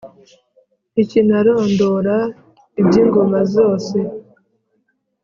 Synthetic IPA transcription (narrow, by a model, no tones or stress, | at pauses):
icinaɾo̞ːndoɾa | ibɟiːŋɡo̞mazo̞ːse̞